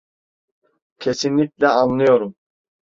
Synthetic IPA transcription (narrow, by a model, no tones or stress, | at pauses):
cʰe̞sinlʲicʲlʲɛanlˠɯjo̞ɾum